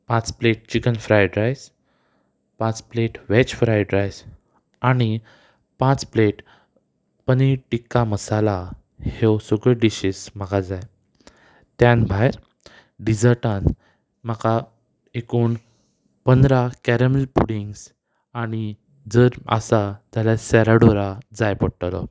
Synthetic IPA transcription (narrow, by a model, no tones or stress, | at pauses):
pãt͡spleʈ̚t͡ɕikənfɾajɖɾajs | pãt͡spleʈʋet͡ɕfɾajɖɾajs | aɽ̃i | pãt͡spleʈ | pəniʈikːaməsala | hewsoɡəɖiɕismaɡad͡zaj | t̪jãnbʱajɾ | ɖid͡zəɾʈãn | məka | ekuːn | pənd̪ɾakæɾəməlpuɽiŋɡs | aɽ̃i | d͡zəɾa̰sat̪aljasɛɾaɽoɾad͡zajpəɽʈalɔ̰